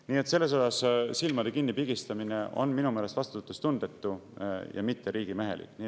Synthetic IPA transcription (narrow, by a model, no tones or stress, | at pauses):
niːe̞t̪se̞lːe̞s̬o̞sɑssilmɑd̪e̞kinːipiɡ̥ist̪ɑmine̞ʔo̞̰nminumeːlest̪vɑst̪ut̪ːust̪und̪̥e̞t̪ːujɑ̰mit̪ːe̞ɾiːɡ̥imeɦe̞̰lḭk̪niː